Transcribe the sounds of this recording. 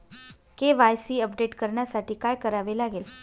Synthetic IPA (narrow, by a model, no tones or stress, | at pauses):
keʋajsiːəpɖeʈkəɾɳjasaʈiːkajkəɾaʋelaɡel